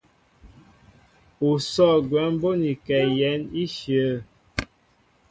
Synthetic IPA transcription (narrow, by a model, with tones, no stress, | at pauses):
u˨sɔ˦˨ɡwɛ˨˦m˦bo˦ni˨kɛ˨jɛ˨˦ni˦ʃjə˨˦